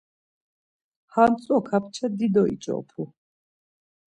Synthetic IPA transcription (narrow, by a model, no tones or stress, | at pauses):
hamt̪t͡s̪ʼɔkʰapʰt͡ʃʰɛd̪id̪ɔḭt͡ʃʼɔ̰pʰu